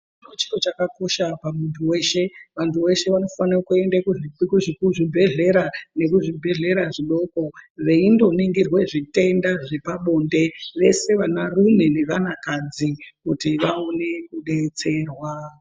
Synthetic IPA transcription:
inot͡ʃi̥kot͡ʃakako̞ʃapamuntʰuwe̞ʃe̞ʋantuwe̞ʃe̞ʋano̞fanrakue̞ndakuʐkuʐikuʐibʱe̞ɮe̞ɾane̞kuʐibʱe̞ɮe̞ɾaʐiɗo̞ko̞ʋe̞indo̞niŋɡirwe̞ʐite̞ndaʐepaɓo̞nde̞ʋe̞se̞ʋanarune̞ne̞ʋanakad͡zikutiʋaone̞kuɗe̞t͡se̞rwa

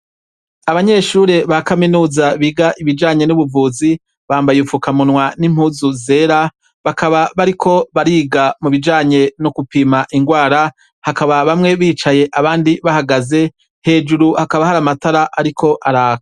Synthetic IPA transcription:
aβaɲe̞ʃuɾe̞βakaminuːzaβiɡaʔiβid͡ʒaːɲe̞nuβuvuːzi | βaːmbajufukamunwanim̥huzuze̞ɾa | βakaβaβaɾikʰo̞βaɾiːɡamuβid͡ʒaːɲe̞nokupimaʔiŋɡwaːɾa | hakaβaβamŋe̞βiːt͡ʃaje̞ʔaβaːndiβahaɡaze̞ | he̞ːd͡ʒuɾuhakaβahaɾamataɾaʔaɾikʰo̞ʔaɾaːkḁ

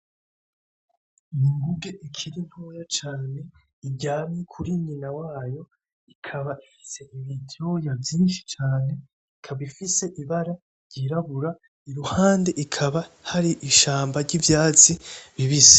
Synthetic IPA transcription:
ijiŋɡuɡe̞ʔikʰiɾino̞ːjat͡ʃaːne̞ | ibɟaːmikʰuɾiɲinawaːjo̞ | ikʰaβaʔifi̥se̞ʔiβitʰo̞javjiːnʃi̥t͡ʃaːne̞ | ikʰaβaifise̞ʔiβaɾa | ɾɟiɾaβuɾa | iɾuhaːnde̞ʔikʰaβahaɾiʔiʃaːmbaɾɟivjaːt͡siβiβize̥

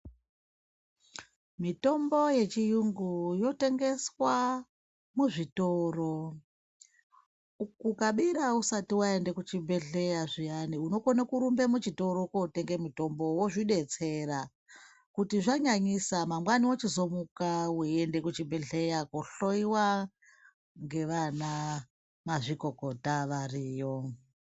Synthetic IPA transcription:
mito̞mbo̞je̞t͡ʃijuŋɡujo̞te̞ŋɡe̞swa | muʐitoːro̞ | ukukaɓiɾausatiwae̞nde̞kut͡ʃibʱe̞ɮe̞jaʐijaniuno̞konakuɾumbe̞mut͡ʃito̞ɾo̞koute̞ŋɡe̞mito̞mbo̞woʐiɗe̞t͡se̞ɾa | kutiʐaɲaɲisamamwaniwot͡ʃizo̞mukawuende̞kut͡ʃibeɮe̞jakoɬo̞iwa | ŋɡe̞ʋana | maʐiko̞ko̞taʋariːjo

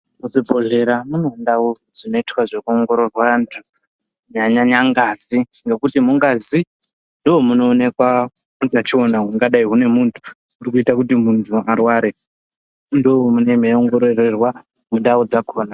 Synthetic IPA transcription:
muʐibʱo̞ɮe̞ɾamunondaoʐ̥ino̞itwaʐekuoŋɡo̞ɾo̞rwantʰu | ɲaɲaɲaŋɡaziŋɡe̞kutimuŋɡazi | ndoɦomuno̞ːne̞kwa | mutat͡ʃionaɦuŋɡaɗaiɦune̞muntʰu̥ | uɾikuitakutimuntʰuarwaɾe | ndoomune̞meoŋɡo̞ɾorerwa | mundaod͡zakʰo̞ːna

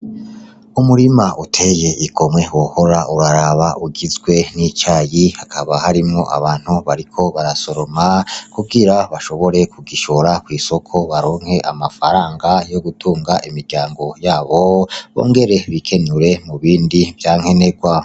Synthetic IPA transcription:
umuɾimaʔutʰe̞je̞ʔiɡo̞mŋe̞woho̞ɾaʔuɾaɾaβaʔuɡizɡwe̞nit͡ʃaːjihakʰaβahaɾimŋo̞ʔa̰βaːn̥huβaɾikʰo̞βaɾaso̞ɾo̞makuɡiɾaβaʃo̞βo̞ɾe̞kʰuɡiʃoɾakwiːso̞kʰo̞βaɾoːŋhe̞ʔamafaɾaːŋɡajo̞ɡutʰuːŋɡaʔimiɾɟaːŋɡo̞jaːβo̞βo̰ːŋɡe̞ɾe̞βikʰe̞nuɾe̞muβiːndivjaːŋ̥he̞ne̞ɡwa

